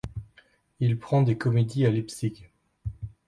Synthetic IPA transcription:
ilpχɑ̃d̪ekɔmed̪ialipsik

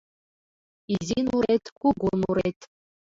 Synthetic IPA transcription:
izinuɾet̪ʲkuɡunuɾet̪ʲ

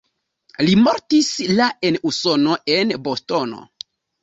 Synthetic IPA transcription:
limoɾtislae̞nuso̞no̞ʔenbosto̞no̰

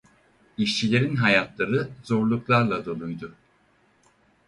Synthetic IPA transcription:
iʃt͡ʃʰilʲe̞ɾinɦajat̪lˠaɾɯzo̞ɾlˠuklˠaɾlˠad̪olˠujd̪ʊ

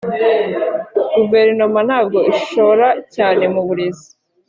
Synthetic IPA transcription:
ɡuve̞ɾnomanhaːb̚ɡo̞iʃoɾacaːne̞muβuɾezi̥

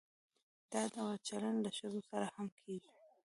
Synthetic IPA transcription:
d̪̥ɑd̪awat͡ʃalaɳləʃəzosaɾahamkʰeɡi

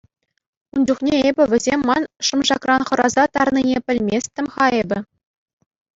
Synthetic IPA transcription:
und͡ʑuχnʲeebʲɘ̆ʋʲɘ̆zʲemʲːɑnʂɤ̆mʐɑkrɑnχɤ̆ɾɑzɑt̪ɑrninʲepʲɘ̆lʲmʲesʲt̪ʲɘ̆mʲχɑebʲɘ̆

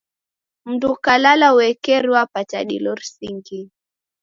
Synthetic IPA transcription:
m̩dukalalauwɛkɛɾiwapat͡ʃa̰ɗḭlɔɾsiŋɡi

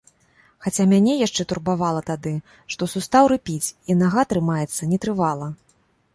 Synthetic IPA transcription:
xat͡sʲamʲanʲɛjaʂt͡ʂɛt̪urbavalˠɐt̪ad̪ɨ | ʂt̪ɔsust̪awɾɨpʲit͡sʲinaɣat̪ɾɨmajɛt̪sːɐnʲɛt̪ɾɨvalˠɐ

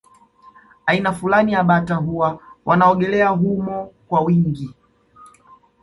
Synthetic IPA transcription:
ainafulanijaɓataɦuwawʔanaɔɠɛlɛaɦumɔkwawiŋɡi

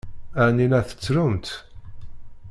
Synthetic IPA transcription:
æninæθə̥t͡sːɾʊmt̪

